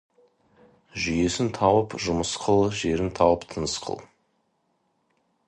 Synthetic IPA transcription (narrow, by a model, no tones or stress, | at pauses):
ʒʏje̞sɪnt̪ʰɑwəpʒʊməsqʰəlˠʒe̞ɾɪnt̪ʰɑwəpt̪ʰənəsqʰə̰lˠ